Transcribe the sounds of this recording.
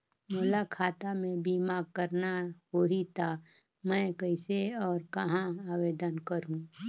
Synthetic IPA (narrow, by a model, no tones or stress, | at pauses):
mʊlakʰaːt̪amẽbiːmaːɡ̚kəɾnaɦoɦit̪ʰa | mɛ̃ːkəɪseɔːɾkɐɦãaːʋeːd̪ənkəɾũ